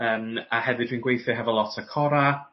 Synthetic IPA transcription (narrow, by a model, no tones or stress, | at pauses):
əːmahɛvɨdwiːnɡwejθɨɦɛvɔlˠɔtʰəkʰɔɾa